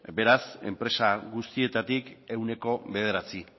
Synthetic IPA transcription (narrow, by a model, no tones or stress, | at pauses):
be̞ɾase̞̰mpɾe̞saɣust̪ie̞t̪at̪ike̞wne̞ko̞βe̞ð̞e̞ɾat͡si